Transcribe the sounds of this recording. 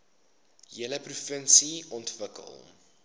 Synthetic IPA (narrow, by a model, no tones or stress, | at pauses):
jələprufənsiɔntvəkə̰lˠ